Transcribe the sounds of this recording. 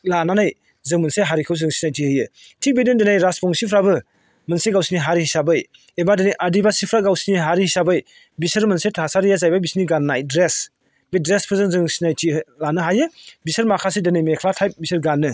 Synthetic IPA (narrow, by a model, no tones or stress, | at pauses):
lananaj | zɯŋmɯnseɦaɾikʰɯwzɯŋsi̥najtihɯjɯ | tʰik̚bedɯndenajɾaspʰɔŋsipʰɾabɯ | mɯnseɡawsiniɦaɾihisabɯj | ebadɯnɯjʔadibasipʰɾaɡawsiniɦaɾihisabɯj | bisɯɾmɯnsetʰasaɾijazajbabisniɡanːajdɾes | bedɾespʰɯzɯŋzɯŋsinajtilanɯɦajɯbisɐɾmakʰas̬edɯnɯjmekʰlatʰajp̚bisɯɾɡanːɯ